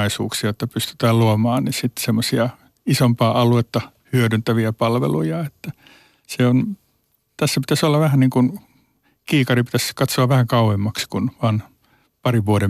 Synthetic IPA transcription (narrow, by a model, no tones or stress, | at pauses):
ɑisṵːksiɑot̪ːɑpyst̪y̥t̪æːlluomɑːnnisit̪semːosiɑ | isompɑːʔɑluet̪ːɑ | hyøɾynt̪æʋiæpɑlʋḛlujɑet̪ːæ | seon | t̪æsːæpit̪æsolːɑʋæhænniːŋkun | kiːkɑripi̥t̪æskɑt̪soɑʋʋæhæŋkɑuemːɑkskunʋɑːn | pɑriʋuoɾe